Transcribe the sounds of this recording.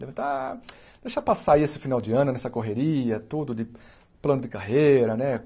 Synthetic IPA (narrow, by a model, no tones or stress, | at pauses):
devɐ̃t̪ã | d̪̥ejʃapasaiesɪfinawd͡ʒɪɐ̃nʊnɛsɐkoɦeɾiɐt̪ud̪ʊdɪ | plɐ̃nʊd̪ɪkaɦeɾɐnɛ